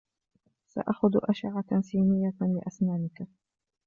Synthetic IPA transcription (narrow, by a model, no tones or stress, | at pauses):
sa̰ʔaxʊd̪ʔaʃaʕasiːnɪjːalɪ̰ʔasnaːnɪka